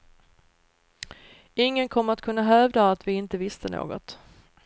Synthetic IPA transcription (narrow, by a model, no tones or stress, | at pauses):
ɪŋːənkʰɔmːəɾat̪̚kʰɵnːaɦœvd̪aːt̪vɪɪnt̪əvɪst̪ənʔo̰ːɡɔ̰t̪